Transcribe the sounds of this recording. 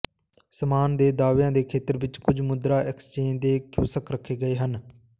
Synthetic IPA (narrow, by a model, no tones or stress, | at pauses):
səmaːnd̪eːd̪aːʋjãːd̪eːkʰeːt̪əɾʋɪt͡ʃkʊd͡ʒmʊd̪ɾaːʔɪkst͡ʃeːnd̪eːkjuːsəkɾəkʰːeːɡəeːɦən